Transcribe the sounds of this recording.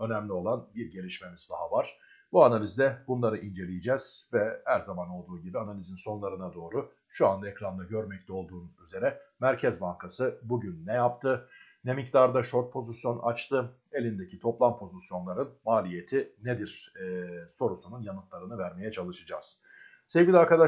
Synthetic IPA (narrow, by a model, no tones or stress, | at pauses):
ø̞næmlʲio̞lˠanbiɾɟe̞lʲiʃme̞miz̥d̪a̰ɦavaɾ̥ | buanalʲizd̪ɛbunlˠaɾɯʔind͡ʒe̞lʲijid͡ʒɛz̥vɛhæɾzamano̞lˠd̪uːɟibianalʲizinso̞nlˠaɾɯnad̪o̞ːɾu | ʃuand̪aekɾand̪aɟø̞ɾmɛc̚lʰʲɛo̞lˠd̪uːnuyze̞ɾɛmæɾcʰɛzbaŋkʰasɯbuɟynːɛjapt̪ʰɯ | nɛmict̪aɾd̪aʃo̞ɾt̪̚pʰo̞zisjo̞nʔa̰t͡ʃt̪ʰɯ | e̞lʲind̪e̞cʰit̪ʰo̞plˠampʰo̞zisjo̞nlˠaɾɯnmaːlʲije̞t̪ʰined̪iɾ̥ | so̞ɾusununjanɯt̪lˠaɾɯnɯvæɾme̞jɛt͡ʃʰalˠɯʃɯd͡ʒa̰z̥ | se̞vɟʲilʲaɾkad̪a